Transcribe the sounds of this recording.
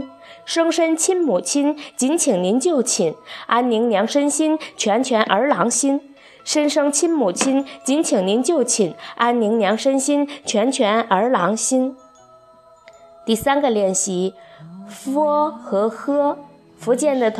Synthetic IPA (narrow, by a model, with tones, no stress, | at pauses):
ʂɤ˥ŋʂə˥nt͡ɕʰi˥nmu˨˩t͡ɕʰi˥nt͡ɕi˧˥nt͡ɕʰi˨˩ŋni˧˥nt͡ɕjo˥˩ʊt͡ɕʰi˨˩˦na˥nni˧˥ŋnjɑ˧˥ŋʂə˥nɕi˥nt͡ɕʰɥɛ˧˥nt͡ɕʰɥɛ˧˥nʔə˞˧˥lɑ˧˥ŋɕi˥n | ʂə˥nʂɤ˥ŋt͡ɕʰi˥nmu˨˩t͡ɕʰi˥nt͡ɕi˧˥nt͡ɕʰi˨˩ŋni˧˥nt͡ɕjo˥˩ʊt͡ɕʰi˨˩˦na˥nni˧˥ŋnjɑ˧˥ŋʂə˥nɕi˥nt͡ɕʰɥɛ˧˥nt͡ɕʰɥɛ˧˥nə˞˧˥lɑ˧˥ŋɕi˥n | t̪i˥˩sa˥nɡə˨ljɛ˥˩nɕi˧˥ | fɔ˥xɤ˧˥xɤ˥ | fu˧˥t͡ɕjɛ˥˩nd̪ə˩t̪ʰ